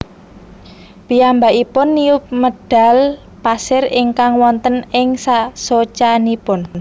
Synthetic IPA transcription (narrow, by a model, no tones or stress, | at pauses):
piambaʔipʊnːiʊp̚məd̥a̤l | pasɪrɪŋkaŋwɔnt̪ənɪŋsasot͡ʃanipʊn